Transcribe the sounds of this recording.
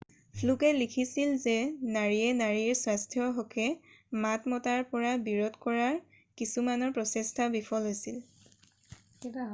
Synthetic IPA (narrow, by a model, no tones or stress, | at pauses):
pʰlukɛlikʰisilzɛnaɹiɛnaɹiɹswastʰjɔɦɔkʰɛmatmɔtaɹpɔɹabiɹɔtkɔɹaɹ | kisumanɔɹpɹɔsɛstʰabipʰɔlɦojsil